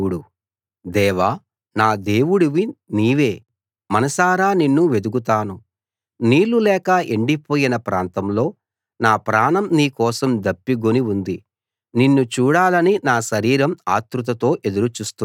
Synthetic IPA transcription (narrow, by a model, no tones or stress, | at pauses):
uɽu | d̪ɛːʋaː | naːd̪e̞ːwuɽuʋiniːʋe̞ː | mɐnɐsaːɾaːninːuʋe̞d̪uɡut̪aːnu | niːlulɛːkɐeɳɖipoːjinɐpɾaːnt̪ɐmlo̞ː | naːpɾaːnɐmniːkɔːsɐmd̪ɐpːiɡoniund̪i | ninːut͡ʃuːɽaːlɐninaːʃɐɾiːɾɐmaːt̪ɾut̪̬ɐt̪o̞ːʔe̞d̪uɾut͡ʃuːst̪u